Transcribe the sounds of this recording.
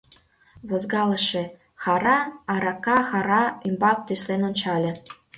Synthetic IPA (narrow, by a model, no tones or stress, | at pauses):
βɤ̆zɡɑlɤ̆ʃĕ | xɑɾɑɑɾɑkːɑxɑɾɑimbɑk̚t̪yslenonʲt͡ɕɑlʲɤ̆